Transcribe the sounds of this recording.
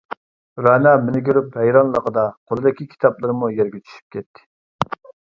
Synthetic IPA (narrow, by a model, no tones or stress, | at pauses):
ɾɑnɑmɪnɪkʲøɾyphɛjɾɑnlˠə̰qəd̪ɑqʰolˠɨd̪ɪkʲikʲʰi̥t̪ʰɑplˠɨɾmujɛɾɡʲet͡ʃʰy̥ʃy̥p̚kʲʰɛt̪ʰːɪ̥